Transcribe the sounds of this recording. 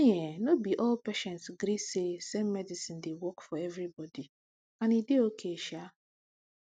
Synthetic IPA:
ɲenobiʔɔlpeʃɛ̃ntsɡɾisesemmɛdisĩndewɔkfɔɛvɾibɔdi | ãnideokʰeʃa

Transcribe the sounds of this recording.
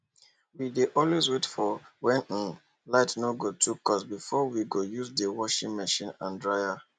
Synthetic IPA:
wideʔɔlwezwetfɔwɛ̃n̩n | laɪtnoɡotʰukɔsbifɔwiɡojuzdewɔʃĩnmɛʃĩnã̰ndɹaɪa

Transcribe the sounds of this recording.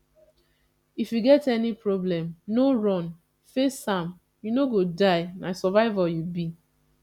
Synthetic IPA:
ifjuɡɛtɛnipɾoblɛ̃mnoɹɔ̃n | fesãm | junoɡodaɪnasɔvaɪvajubi

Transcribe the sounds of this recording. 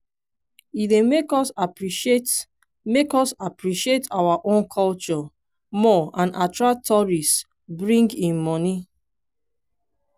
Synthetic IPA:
idemekɔsapiet | mekɔsapɹiʃietʰawaʔõnkʰɔlt͡ʃɔ | mɔãnatɹak̚tʰɔɹis | bɹĩŋɡĩnmɔni

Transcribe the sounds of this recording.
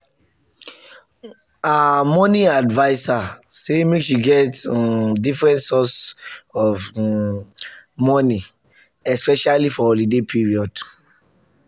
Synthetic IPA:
amɔniadvaɪsasemekʃiɡɛtdifɹɛ̃ntsɔsɔf | mɔni | ɛspɛʃalifɔɔlidepʰiɹiɔd

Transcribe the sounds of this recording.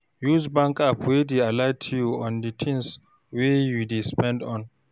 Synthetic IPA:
juzbãŋkapʰwedealajtʰujuɔ̃nditʰĩns | wejudespɛ̃ndɔ̃n

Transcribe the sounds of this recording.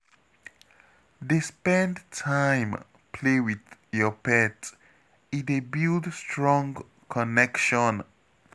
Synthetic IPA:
dəspɛ̃ndtʰãj̃m | pʰlewiðjɔpɛt | idebildstʰɹɔ̃ŋ | kʰɔnɛkʃɔ̃n

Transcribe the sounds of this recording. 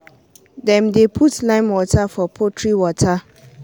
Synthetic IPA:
dɛ̃mdepʰutlãɪ̃nwɔtʰafɔpʰotʰɹiwɔtʰa

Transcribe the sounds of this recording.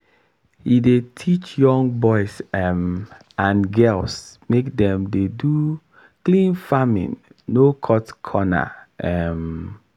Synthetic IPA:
hidetʰit͡ʃjɔ̃ŋbɔɪsɛm | ãnɡɛlsmekdɛ̃mdedu | klĩnfamḭ̃nːokʰɔtkʰɔna̰ɛm

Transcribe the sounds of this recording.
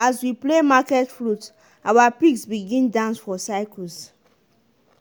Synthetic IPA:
aswiplemakɛtfɹut | awapiksbiɡĩndãnsfɔsaɪkəs

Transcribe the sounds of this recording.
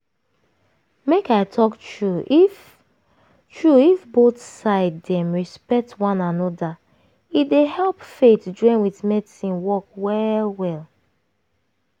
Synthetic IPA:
mekaɪtʰɔktɹuif | tʰɹuifboθsaɪddɛ̃mɹispɛk̚twɔ̃nãnɔda | idehɛlˠpfetd͡ʒɔ̃ɪ̃nwiθmɛdsĩnwɔkwɛlwɛl

